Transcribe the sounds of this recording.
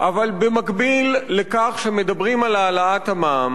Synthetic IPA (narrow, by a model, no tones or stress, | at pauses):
ʔavalbemakbilːekaχʃemed̪abʁimalaːlaathamam